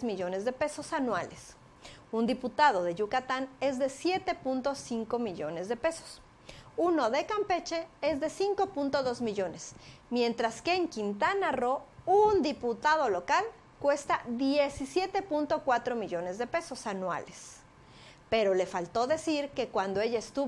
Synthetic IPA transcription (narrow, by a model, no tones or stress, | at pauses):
zmiʝo̞ne̞zðe̞pe̞so̞sanwales | und̪iput̪að̞o̞ðe̞ʝukat̪ane̞zðe̞sje̞t̪e̞punt̪o̞siŋko̞miʝo̞ne̞zðe̞pe̞so̞̥s | uno̞ðe̞kampe̞t͡ʃe̞ezðe̞siŋko̞punt̪oðo̞zmiʝo̞ne̞smje̞nt̪ɾaskeːŋkint̪anaro̞und̪iput̪að̞o̞lo̞kal | kwe̞st̪aðjesisje̞t̪e̞punt̪o̞kwat̪ɾo̞miʝo̞ne̞zðe̞pe̞so̞sanwa̰les | pe̞ɾo̞le̞falt̪o̞ðe̞siɾke̞kwand̪oe̞ʝaest̪u